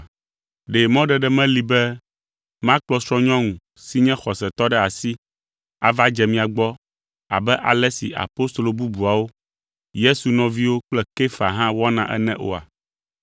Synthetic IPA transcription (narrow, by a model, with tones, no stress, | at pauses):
ɖe˨mɔ̃˦ɖɛ˨ɖɛ˦mɛ̃˦li˨bɛ˦ | mã˦k͡plɔ˦sɾɔ̃˦ɲɔ̃˦ŋũ˨ | si˦ɲɛ̃˦xɔ˨sɛ˨t̪ɔ˦ɖɛ˦a˨si˦ | a̰˨va˦d͡ʒɛ˨mĩ˦a˨ɡ͡bɔ˦ | a̰˨bɛ˦ʔa̰˨lɛ˦sḭ˨ʔa̰˨po˦st̪o˨lo˨bu˦bu˨a˨wo˦ | je˦su˨nɔ̃˨vi˦wo˦k͡plɛ˦ke˦fa˨ɦã˦wɔ˦nã˨ʔɛ̰˦nɛ̃˦ʔo̰˨a̰˨